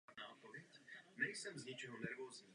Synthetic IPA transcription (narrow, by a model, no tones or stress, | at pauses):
aːpovjɛcnɛjsɛmzɲɪt͡ʃɛɦonɛɾvoːzɲiː